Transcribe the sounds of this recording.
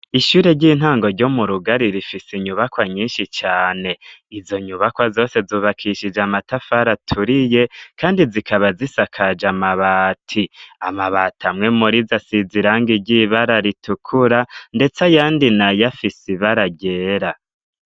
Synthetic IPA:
iʃuːɾe̞ɾɟiːn̥haːŋɡo̞ɾɟomuɾuɡaɾiɾifisiɲuβakwaɲiːnʃit͡ʃaːne̞izo̞ɲuβakwazo̞ːse̞zuːβakʰiʃid͡ʒamatafaɾatʰuɾije̞kaːndizikʰaβazisakʰad͡ʒamaβaːtʰiamaβaːtamŋe̞muɾizasiziɾaːŋɡiɾɟiβaɾaɾitukʰuɾande̞t͡sajaːndinajafisiβaɾaɟe̞ːɾa

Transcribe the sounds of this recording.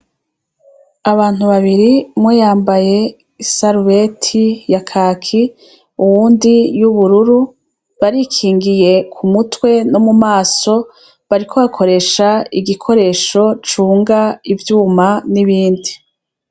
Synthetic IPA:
aβaːn̥huβaβiɾimwejaːmbaje̞ | isaɾuwetʰijakʰaːkʰi | uwuːndijuβuɾuɾu | βaɾikʰiːŋɡije̞kʰumutwe̞no̞mumaːso̞ | βaɾikʰo̞βakʰo̞ɾe̞ːʃaiɡikʰo̞ɾe̞ːʃo̞t͡ʃuːŋɡaivjuːmaniβiːndi

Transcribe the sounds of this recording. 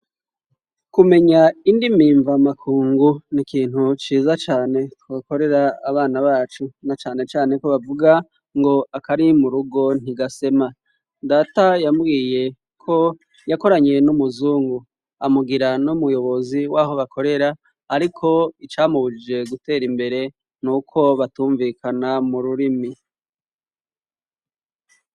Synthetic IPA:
kume̞ɲaindimiːɱvamakʰuːŋɡunikiːn̥hut͡ʃiːzat͡ʃaːne̞tuɡako̞ɾe̞ɾaːβaːnaβaːt͡ʃunat͡ʃaːne̞t͡ʃaːne̞koβavuɡa | ŋɡo̞akaɾimuɾuɡo̞n̥iɡase̞ma | daːtajambɡiːje̞ | kʰo̞ | jako̞ɾaɲe̞numuzuːŋɡu | amuɡiɾanumujo̞βo̞ziwaːɦo̞βakʰo̞ɾe̞ɾaː | ɾikʰo̞it͡ʃaːmuβud͡ʒe̞ɡute̞ːɾimbe̞ɾe̞ | nuːkʰo̞βatuːɱvikʰanamuɾuɾimi

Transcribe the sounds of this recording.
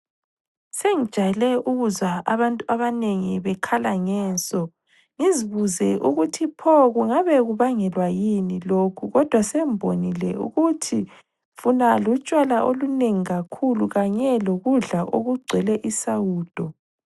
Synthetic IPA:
seŋi̥ʒ̥ʼʱajɛlɛʔuɣuzaaβantʼuaβaneŋiβɛkʰalaŋɛːnsʼɔ | ŋiziβuzɛʔuɣutʰipʰɔɣuŋaβɛɣuβaŋɛlwajinilokʰuɣɔd̥ʱwasembʱonilɛṵɣutʰi | funalut͡ʃʼwalaʔoluneŋiɣakʰuluɣaɲɛloɣuɮaʔoɣuɡ͡ǀʱɛlɛʔisauːd̥ʱɔ

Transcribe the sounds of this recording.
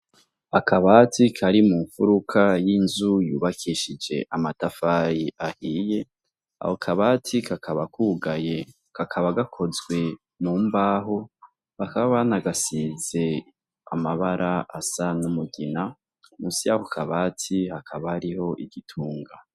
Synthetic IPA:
akʰaβaːtikʰaɾimuːɱfuɾukʰajinzujuːβakʰiʃid͡ʒe̞̰ʔamatafaːjiʔahiːje̞ | a̰hokʰaβatʰikʰakʰaβakʰuɡaje | kʰakʰaβaɡakʰo̞zɡwe̞ | muːmbaːɦo | βakaβaβanaɡasize̞ | a̰maβaɾʔaʔasanumuɡina | musijahokʰaβatʰihakʰaβahaɾiho̞ʔiɡitʰuːŋɡa

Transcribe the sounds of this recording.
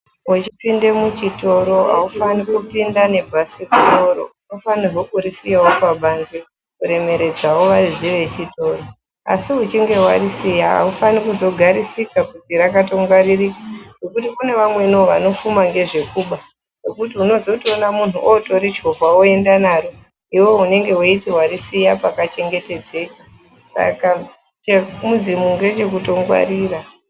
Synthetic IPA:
ut͡ʃipinde̞mut͡ʃito̞ɾo̞ɦa̰ufanikupindane̞bʱasikuoɾo̞̰uno̞fanirwokuɾisijaopaɓanze | kuɾe̞me̞ɾe̞d͡zawoʋarid͡ziʋe̞t͡ʃito̞ːro | a̰siut͡ʃiŋɡe̞wa̰ɾisijaɦa̰ufanikuzo̞ɡʱaɾisikakutiɾakato̞ŋɡaririkḁno̞kutikune̞ʋamwe̞nooʋano̞fumaŋɡe̞ʐe̞kuːɓa | no̞kutiuno̞zo̞toːnamun̤uʔoto̞ɾit͡ʃovaoe̞ndanaːro | iwo̞une̞ŋɡe̞woitiwaɾisijapakat͡ʃe̞ŋɡe̞te̞d͡ze̞kḁ | sa̰ka | t͡ʃemud͡zimuŋɡe̞t͡ʃe̞k̬uto̞ŋɡwa̰riːra

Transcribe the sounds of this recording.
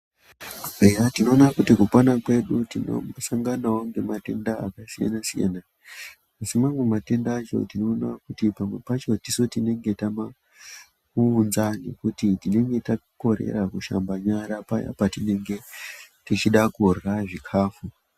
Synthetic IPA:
ejatino̞ːnakutikupwanakwe̞ɗutino̰saŋɡanawo̞ŋɡe̞mate̞nda̰ːkasija̰nasija̰naː | simamwe̞mate̞ndaːt͡ʃo̞̰tino̞ːnakutipamwe̞pat͡ʃo̞tiso̞tine̞ŋɡe̞tama | uːnzane̞̰kutitine̞ŋɡe̞tako̞ɾḛɾakuʃa̰mbaɲaɾapa̰ja̰patine̞ŋɡe̞ | tit͡ʃiɗakurɣaʐikʰaːfu

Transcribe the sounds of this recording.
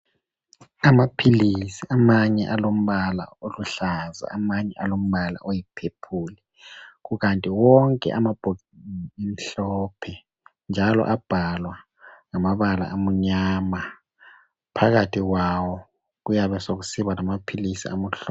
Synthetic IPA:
amapʰilisiamaɲɛʔalom̩βala̰oluɬaza̰ːmaɲɛʔalom̩βala̰ʔojipʰepʰulɛ | ɣuɣantʼiwɔŋkʼɛ̰ʔamab̥ʱoɣiiniem̩ɬɔpʰɛ | nd͡ʒʱalɔ̰ʔab̥ʱalwa | ŋamaβala̰ʔamuɲama | pʰaɣatʰiɣwawɔ | ɣujaβɛsoɣusiβanamapʰilisḭa̰muɬ

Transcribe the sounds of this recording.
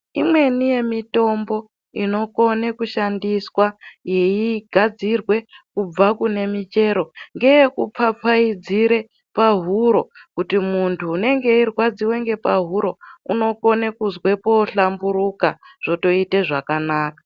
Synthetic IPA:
imwe̞nije̞mito̞mbo̞ | ino̞ko̞nekuʃandiswaje̞iɡʱad͡zirwe̞kub͡vakune̞mit͡ʃe̞ɾo̞ŋɡe̞jekup͡fap͡faid͡ziɾe̞ | paɦuɾo̞kutimuntʰuːne̞ŋɡe̞irwad͡ziwe̞ŋɡe̞paɦuɾo̞ṵno̞ko̞nekuzwe̞po̞ɬambuɾukaʐ̥o̞to̞ite̞ʐakanaːkḁ

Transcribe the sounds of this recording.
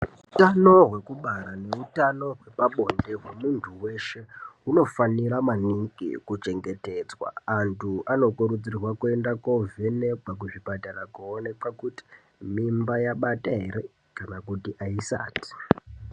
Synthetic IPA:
utano̞ɦwe̞kuɓaɾane̞utano̞ɦwe̞paɓo̞nde̞ɦwemuntʰuwe̞ʃe̞uno̞faniɾamaniŋɡḭkut͡ʃe̞ŋɡe̞te̞ːd͡zwa̰ːntʰuʔano̞kuɾud͡zirwakue̞ndako̞vene̞kak̬uʐibatarakuonepakuti̥ | mimbajaɓataɦe̞ɾe̞ | kanak̬utiʔaisa̰ːti̥

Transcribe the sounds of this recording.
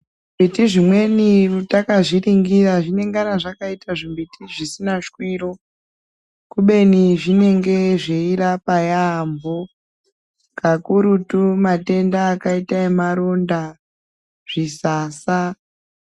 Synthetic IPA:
mbitiʐimwe̞nirutakaʐiriŋɡiraʐine̞ŋɡanaʐakaitaʐimbitiʐisinaʃkwiːro | kuɓe̞niʐine̞ŋɡe̞ʐeiɾapajambo̞ | kakuɾutumate̞ndaːkaitaemaɾo̞nda | ʐ̥isaːsa

